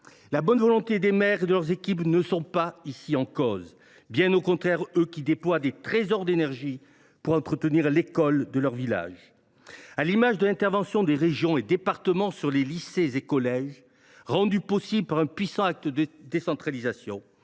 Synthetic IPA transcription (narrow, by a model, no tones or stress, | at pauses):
labɔnvɔlɔ̃t̪ed̪emɛʁed̪əlœʁzekʲipnəsɔ̃paisiɑ̃kɔz | bjɛ̃nokɔ̃t̪χɛʁøkʲid̪eplwad̪et̪χezɔʁd̪enɛʁʒi | puʁɑ̃t̪χət̪əniʁlekɔld̪əlœʁvila̰ʒ | alimaʒd̪əlɛ̃t̪ɛʁvɑ̃sjɔ̃d̪eʁeʒjɔ̃ed̪epaʁt̪əmɑ̃syʁlelisezekɔlɛʒ | ʁɑ̃d̪ypɔsibləpaʁɛ̃pɥisɑ̃ak̚t̪əd̪əd̪esɑ̃t̪χalizasjɔ̰̃